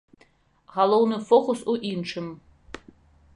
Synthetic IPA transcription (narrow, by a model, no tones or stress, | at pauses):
ʁalˠownɨfoχʰʊsuʔinʈ͡ʂʰɨm